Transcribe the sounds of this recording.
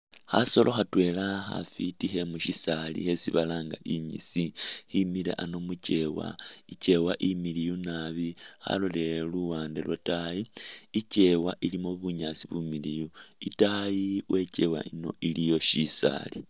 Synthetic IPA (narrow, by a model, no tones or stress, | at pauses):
haso̞lʔo̞xatwe̞laxa̰fitiɦe̞muʃisalḭhesiβalaːŋɡaʔiɲisihimilḛʔano̞muce̞wa̰ice̞waʔimilijunaβiha̰loleluwaːndḛlwotajiice̞waʔilimoβuɲasiβumilijuitajiwʔe̞ce̞wa̰ino̞̰ʔilijo̞ʃisa̰li